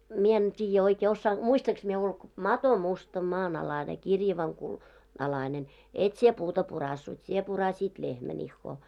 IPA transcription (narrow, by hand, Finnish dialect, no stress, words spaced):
mie en tʲiːjːæ oikeː osːɑːn muistɑŋks mie ulk mɑto mustɑ mɑːnɑlɑne kirjɑʋɑŋ ku ɑlɑinen et sie puːtɑ purɑsːut sie purɑsʲiːt lehmæn ihːoː